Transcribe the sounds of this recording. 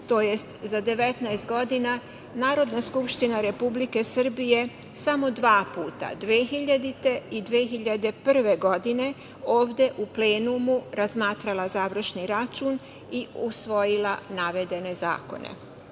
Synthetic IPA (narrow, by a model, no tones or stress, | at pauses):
t̪o̞je̞st̪zad̪e̞ʋe̞t̪naest̪̚ɡo̞d̪ina | naːɾo̞d̪naskupʃt̪inaɾe̞publike̞sɨr̩bije̞ | samo̞d̪ʋaːpuːt̪a̰d̪ʋeːxiʎad̪it̪e̞id̪ʋexiʎad̪e̞pr̩ʋe̞ɡo̞d̪ine̞ | oːʋd̪e̞ʔupleːnumuɾazmaːt̪ɾalazaːʋr̩ʃniɾat͡ʃuːn | iusʋo̞jilanaʋe̞d̪e̞ne̞za̰ːko̞̰nḛ